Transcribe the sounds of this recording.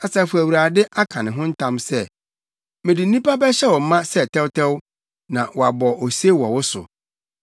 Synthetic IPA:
a˨sa˨fu˨æ˨wu˨ɾa˨dɪ˦ʔa˦kʰã˨nɪ̃˨ɦʊ̃˦n̩˦tʰã˦msɛ˦ | mɪ̃˨dɪ˨n̩˦nĩ˦pa˦bɛ˦ɕɛ˦wɔ˨m˦mã˦sɛ˦˨tʰɛ˦wtʰɛ˦w | nã˨wɔ˨a˨bɔ˨ʔɔ˨se˦wɔ˨wʊ˦sʊ̰˨

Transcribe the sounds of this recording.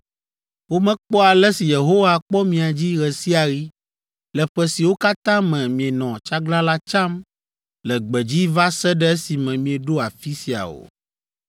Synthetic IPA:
wo˦mɛ̃˦k͡pɔ˦a˨lɛ˦si˨je˨ɦo˦wa˦k͡pɔ˦mĩ˨a˨d͡ʑi˦ɣɛ˨si˦a˨ɣi˦ | lɛ˨ɸɛ˦si˨wo˦ka˦t̪ã˦mɛ̃˨mĩ˨ɛ˨nɔ̃˨t͡ʃa˦ɡla˦la˦t͡ʃã˦m | lɛ˨ɡ͡bɛ˨d͡ʑi˦va˦sɛ˦ɖɛ˦ɛ˦si˨mɛ̃˨mĩ˨ɛ˨ɖo˦a˨fi˦si˨a̰˨o̰˨

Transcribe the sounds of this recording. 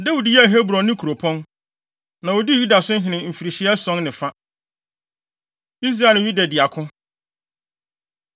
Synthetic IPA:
de˦wu˨djɛ˦æ˨ɦe˦bɾɔ̃˨nːɪ̃˦kʰɾo˨pʰɔ̃˦n | nã˨wo˨di˦˨ju˦da˨sʊ̃˦ɦɪ̃˨nɪ̃˨m̩˨fi˨ɾi˨ɕi˨˦ɛ˦sɔ̃˦nnɪ̃˨fa˦ | i˦s̬ɾa˦˨ñ˨ɲĩ˦dɛ˨dɪ˨a˨kʰʊ̃˦

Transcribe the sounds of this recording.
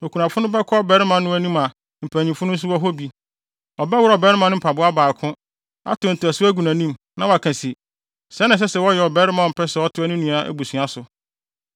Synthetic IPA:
o˨kʰu˨nã˨fʊ˦nʊ̃˦bɛ˦kʰɔ˦ɔ˦bɛ˨˦ɾɪ˦mã˨nʊ̃˦æ˦nĩ˦mã˨ | m̩˨pʰæ˨ɲĩ˨fʊ˦nʊ̃˦n̩˦s̬ʊ˦ɔ˦ɦɔ˦bi˨ | ɔ˨bɛ˦wʊ˦ɾɔ˨bɛ˦ɾɪ˦mã˨nʊ̃˦m̩˨pʰa˨bʊ˦a˦baː˨kʰʊ̃˦ | a̰˦tʊ̃˨n̩˨tʊ˨æ˨sʊ˦æ˦ɡu˨næ̃˨nĩ˦m | nã˦˨wa˨kʰã˨si˨ | sɛ˨˦nã˨s̬ɛ˦sɛ˨wɔ˦jɛ˨ɔ˨bɛ˦ɾɪ˦mã˨m̩˨pʰɛ˦sɛ˨wɔ˦tʰʊ˦æ˦nʊ̃˦nũ˨˦a˨ʔæ̰˦bu˨su˨a˨sʊ˨

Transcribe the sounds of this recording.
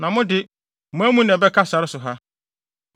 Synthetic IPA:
nã˨mʊ̃˦dɪ˨ | mʊ̃˨˦æ˦mũ˦n˨ɛ˨bɛ˦kʰa˦sa˨ɾɪ˦sʊ˨ɦa˦

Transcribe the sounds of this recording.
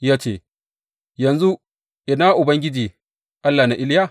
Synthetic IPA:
jaː˦t͡ʃeː˦˨ | jɐ˨nzu˦ | ʔɪ˨naː˦ʔʊ˨bɐ˦ŋɡʲɪ˦d͡ʒiː˨ | ʔa˦lːaː˨na˨ʔɪ˦lja˦˨

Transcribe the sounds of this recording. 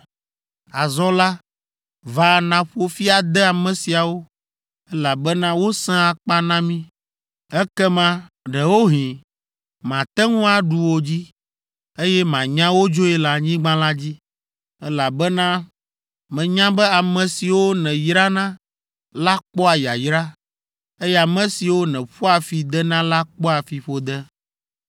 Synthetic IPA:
a˨zɔ̃˦la˦ | va˨nã˨ɸo˨fi˦a˨d̪ɛ˦a˨mɛ̃˨si˨a˨wo˦ | ɛ˦la˨bɛ˦nã˦wo˦sɛ̃˦a˨k͡pa˦nã˦mĩ˦ | ɛ˦kɛ˦mã˦ | ɖɛ˨wo˦ɦĩ˨ | mã˨t̪ɛ˦ŋũ˦a˨ɖu˨wo˨d͡ʑi˦ | e˦jɛ˦mã˨ɲã˦wo˦d͡ʒo˦ɛ˦la˦ɲĩ˦ɡ͡bã˦la˦d͡ʑi˦ | ɛ˦la˨bɛ˦nã˦ | mɛ̃˨ɲã˦bɛ˦a˨mɛ̃˨si˨wo˦nɛ̃˨jɾa˦nã˦ | la˦k͡pɔ˦a˨ja̰˨jɾa˦ | e˦jɛ˦a˨mɛ̃˨si˨wo˦nɛ̃˨ɸɔ˦a˨fi˨d̪ɛ˦nã˦la˦k͡pɔ˦a˨fi˨ɸo˦d̪ɛ˦

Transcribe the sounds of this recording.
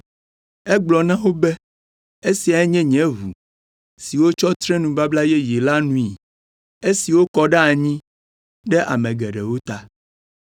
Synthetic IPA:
ɛ˦ɡ͡blɔ˨nã˦wo˦bɛ˦ | e˦si˨a˨ɛ˦ɲɛ̃˦ɲɛ̃˨˦vu˨ | si˨wo˦t͡ʃɔ˦t̪ɾe˦nũ˨ba˦bla˦jɛ˦je˨la˦nũ˦i˨ | e˦si˨wo˦kɔ˦ɖɛ˦a˨ɲĩ˦ | ɖɛ˦ʔa̰˨mɛ̃˨ɡɛ˨ɖɛ˨wo˦t̪a˦

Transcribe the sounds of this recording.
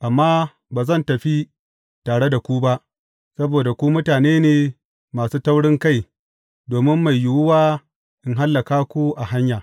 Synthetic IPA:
ʔa˨mːaː˦ | baː˨zɐ˦˨ntɐ˨ɸi˦ | taː˨ɽe˦da˨kʷu˦ba˦ʔ | sɐ˦boː˨da˨kʷu˦mʊ˦taː˨neː˦neː˨ | maː˨suː˦tɐ˦wɽɪ˦ŋka˦˨j | doː˨mɪ˦mːa˨jːʊ˨wʊ˦waː˦ | ʔɪ˨ŋɦa˦lːa˨kaː˦kʷu˦ʔa˨ha˦ɲjaː˨

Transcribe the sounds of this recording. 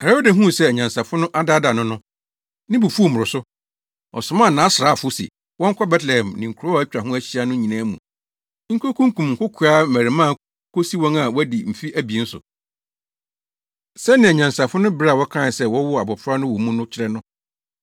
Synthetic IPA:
a˨a˦o˦dæ˨ɦũ˦˨sɛ˦æ˨ɲã˨nsa˨fʊ˦nʊ̃˦ʔa˦da˦da˨nʊ̃˦nʊ̃˦ | nɪ̃˦bu˨fu˦o˦˨mʊ˨ɾʊ˨sʊ˦ | ɔ̰˨sʊ˨mãː˦˨nãː˨˦sɾa˦˨fʊ˦sḭ˨ | wɔ̃˦ŋ̩˦kʷʰɔ˦bɛ˦tlɛ˨hɛ̃˨mnɪ̃˨ŋ̩˨kʰɾɔ˦æ˦t͡ɕᶣa˨ɦʊ̃˦æ˦ɕi˦a˦nʊ̃˦ɲĩ˨nãː˦mṵ̃˨ | ŋ̩˦kʰo˦kʰũ˦ŋ˦kũ˨mŋ̩˨kʰʊ˦kʰu˨a˦m̩˦mæ˨ɾɪ˨mãː˦˨ | kʰo˦si˦wɔ̃˦ŋa˨wɔ˦æ˦di˨m̩˨fi˦ʔæ˦bi˨n̩˦sʊ̰˨ | sɛ˦nɪ̃˨ɛ˨ɲã˨nsa˨fʊ˦nʊ̃˦bɪ˦ɾa˨wɔ˦kʰã˦˨sɛ˦wɔ˦wɔ˦a˨bɔ˨fɾa˦nʊ̃˦wɔ˨˦mũ˦nʊ̃˦t͡ɕʰɪ˦ɾɛ˦nʊ̃˦

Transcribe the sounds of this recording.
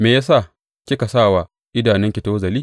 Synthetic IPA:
meː˨jaː˦saː˦˨ | kʲɪ˦ka˨saː˦˨wa˨ | ʔɪ˦daː˨nɪ˦ŋkʲɪ˨ta˦o˦zɐ˨liː˦

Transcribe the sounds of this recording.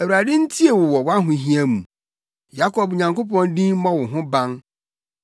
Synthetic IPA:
æ˨wi˨ɾa˨dɪ˦n̩˦tʰi˦e˨wʊ˨wɔ˨wa˦ɦʊ̃˨ɦĩ˦æ̃˦mũ˨ | ja˦kʰɔ˨bɲã˨ŋko˦pɔ̃˦ndĩ˦mã˦wʊ˨ɦʊ̃˦bã˦n

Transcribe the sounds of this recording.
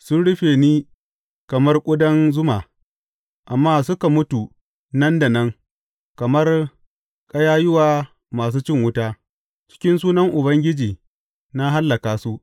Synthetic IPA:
sʊ˦nɽʊ˦ɸeː˨niː˦ | kɐ˨mɐ˦rkʷʼʊ˦dɐ˦nzʊ˦maː˨ | ʔa˨mːaː˦sʊ˦ka˨mʊ˦tu˨ | nɐ˦nda˨nɐ˦ŋ | kɐ˨mɐ˦r | kʼɐ˦jaː˦jɪ˦waː˨ | maː˨s̬uː˦t͡ʃɪ˦ŋwʊ˦taː˦ | t͡ʃɪ̥˦kʲɪ˦nsuː˦nɐ˦ŋʔʊ˨bɐ˦ŋɡʲɪ˦d͡ʒiː˨ | na˦ɦa˦lːɐ˨kaː˨su˦ʔ

